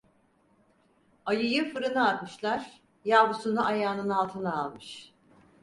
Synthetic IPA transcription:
ajɯjɯfɯɾɯnɯat̪mɯʃlˠaɾ̥ | jabusunuʔajaːnɯnalˠt̪ʰɯnaːlˠmɯʃ

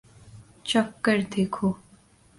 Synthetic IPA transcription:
t͡ʃɐkːəɾd̪eːkʰoː

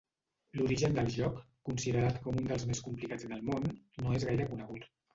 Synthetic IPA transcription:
luɾiʒənd̪əlˠʒɔkːunsiðəɾat̪kɔmund̪əlˠzmeskumplikad͡zðəlˠmonːoezɣajɾəkunəɣ̞ut̪

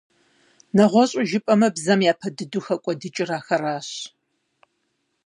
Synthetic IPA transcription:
nɐʁʷɔɕʼʊʒɪpʼɐmɐbzɐmjaːpʰɐdɨduxɐkʷʼɔdɨt͡ʃʼɪraːxɐɾaːɕ

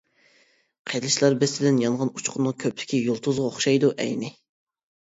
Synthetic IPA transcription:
qʰelɪʃlæɾbɪsɪd̪ɪnjɑɴʁɑnut͡ʃʰqʰʊnɨŋkʲʰøplɪ̥kʲijolˠt̪ʰuzʁɑoχʃɑjd̪uʔɛ̰jnɪ

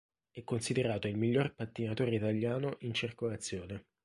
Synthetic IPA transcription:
ɛkːonsid̪eɾaːt̪oilmiʎːorpat̪ːinat̪oːɾeit̪aʎjaːnoʔint͡ʃirkolat̪sːjoːne

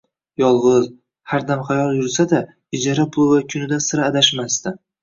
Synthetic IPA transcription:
jɒlˠʁɨz | haɾd̪amχajɒlˠjʊɾsad̪a | ɪd͡ʒaɾapʰʊlˠvakʲʰʊnɪd̪ansɪɾaːd̪aʃmast̪ɪ

